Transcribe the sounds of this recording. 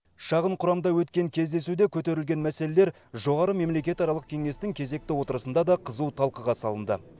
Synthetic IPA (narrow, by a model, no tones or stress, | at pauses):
ʃɑʁəɴqʰʊɾɑmd̪ɑwɵt̪kʲe̞ŋkʲʰe̞zd̪e̞sud̪ekʲʰɵt̪e̞ɾɪlɡʲe̞nmæse̞le̞le̞ɾ | ʒo̞ʁɑɾəme̞mle̞kʲe̞t̪ɑɾɑlˠəq̚kʲʰeŋe̞st̪ɪŋkʲʰe̞ze̞k̚t̪ɪwo̞t̪əɾəsənd̪ɑd̪ɑqʰəzuwt̪ʰɑlˠqəʁɑsɑlˠənd̪ə̰